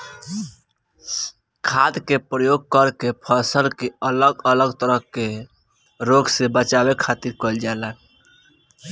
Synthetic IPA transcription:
kʰad̪kepɾəjoɡ̚kəɾkepʰəsəlkeələɡələɡt̪əɾəɦke | ɾoɡsebət͡ʃabekʰat̪iɾkəld͡ʒalan

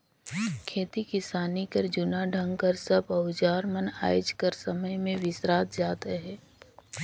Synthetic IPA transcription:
kʰeːt̪ikɪsaːnikəɾd͡ʒʊnaɖʱə̃ŋɡkəɾsəbəʊd͡ʒaːɾməna̰ːjd͡ʒkəɾsəməjmẽʋɪsɾaːt̪d͡ʒaːt̪eɦɛː

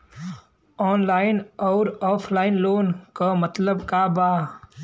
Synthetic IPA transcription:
ɔːnlaːɪnɔːɾɔːpʰlaːɪnloːnkamət̪ləbkabaː

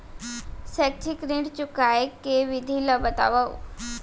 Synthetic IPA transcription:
sɛk̚ʈʰikɾĩɳɖt͡ɕukajekeʋid̪ʱiləbət̪a̰ʋəw

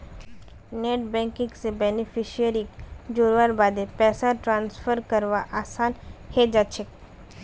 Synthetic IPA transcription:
neːʈbɛ̃ːŋkɪ̃ŋɡsebɛːnipʰiʃiəɾikd͡ʒoːɾʋaɾbaːd̪epɛːsaʈɾãːnsfʰəɾkəɾʋaʔaːsaːnhed͡ʒat͡ʃʰek

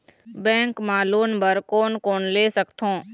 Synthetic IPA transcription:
bɛ̃ːŋkmaːloːnbəɾkoːnkoːnleːsəkt̪ʰõː

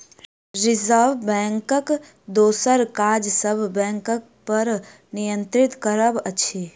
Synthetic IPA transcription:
ɾɪzəʋbɛ̃ːŋkək | d̪oːsəɾkaɾd͡ʒsəbʱbɛ̃ːŋkək̚ | pəɾ | nijə̃nt̪ɾɪt̪kəɾəbət͡ʃʰe

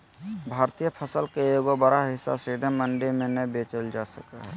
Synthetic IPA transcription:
bʱaːɾt̪ijəpʰəsəlkejoːɡobəɾaɦɪsːa̰sid̪ʱəməɳɖemẽnəbeːt͡ʃəld͡ʒasə̰ka̰ɦɛ

